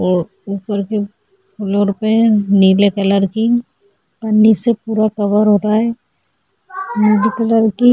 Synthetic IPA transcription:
upəɾke | kʰʊlɔɾpenilekələɾki | pənːisepuɾakəbəɾɦoɾaɛ | nilekələɾki

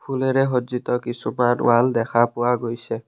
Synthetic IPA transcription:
pʰulɛɹɛɦozit̪ɔkisumanʊ̰waldɛkʰapʊwaɡojsɛ

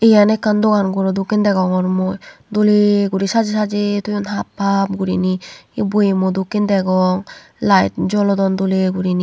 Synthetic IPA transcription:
ejanekːand̪oɡanɡuɾɔdokind̪ɛɡɔŋɔɾmɔd̪oleɡuɾisad͡ʒisad͡ʒitujunɦapʰːab̚ɡuɾiniibuimɔd̪okind̪ɛɡɔŋ | lajt̪̚d͡ʒɔlɔdɔndoleɡuɾini

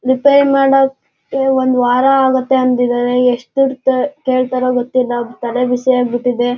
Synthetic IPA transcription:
ɾipeɾmaːɽɐkː | eond̪uʋaːɾaːɡɐt̪ːe̞ɐnt̪id̪aːɾe̞eʂʈiɾt̪ekeːɭt̪aːɾoɡot̪ːilːɐt̪ɐleʋisiaːɡ̚biʈːid̪e̞

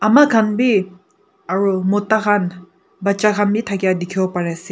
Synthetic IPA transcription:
amakʰanbi | aɹumutakʰan | bat͡ʃakʰanbitʰaɡijadikʰiɔpaɾasi

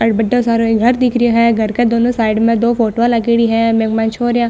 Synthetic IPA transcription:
ɐɽbəɖosaːɾõeɡʱɐɾd̪ɪkʰɾioɦɛ̃ɡʱɐɾked̪oːnõsaːɪɖmẽd̪oːfoːʈʋalak̬eɽiɦɛ̃mẽmãnt͡ʃʰoːɾjãː

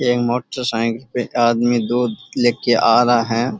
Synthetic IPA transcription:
eːkmoːʈəɾsãːŋklpeaːd̪mid̪uːd̪leːkeʔaːɾaɦɛ̃ː

